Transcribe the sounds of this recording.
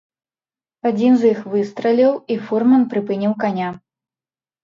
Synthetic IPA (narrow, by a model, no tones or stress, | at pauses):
ad͡zʲinzjixvɨst̪ɾɐlʲiwifurmɐnpɾɨpɨnʲiwkanʲa